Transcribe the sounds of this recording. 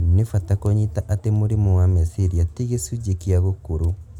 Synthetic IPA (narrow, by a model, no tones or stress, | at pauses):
nefatakoɲitaʔatemoɾimowamesiɾiatiɣesud͡ʒekiaɣokoɾo